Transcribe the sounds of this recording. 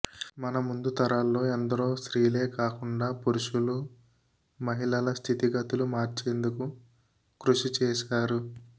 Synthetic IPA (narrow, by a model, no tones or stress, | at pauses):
mɐnɐmund̪ut̪ɐɾaːlːo̞ːɐnd̪ɐɾoːsɾiːle̞ːkaːkuɳɖaːpuɾuʂulu | mɐɦiɭɐlɐst̪ʰit̪iɡɐt̪ulumaːɾt͡ʃe̞ːnd̪uku | kɾuʂit͡ʃɛːʃaːɾu